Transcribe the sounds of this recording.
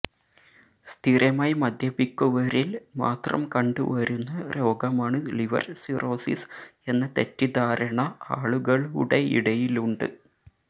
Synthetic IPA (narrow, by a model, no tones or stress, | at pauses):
st̪ʰiɾɐmaːjmɐd̪ʱjɐbikːuʋɐɾilma̰ːt̪rɐ̰mkɐɳɖṵʋɐɾunːɐɾo̞ːɡɐmaːɳɨliʋɐ̰rsiro̞ːsḭse̞nːɐt̪etːid̪aːɾɐɳɐaːɭuɣɐɭṵɽeḭɽɐjiluɳɖɨ̰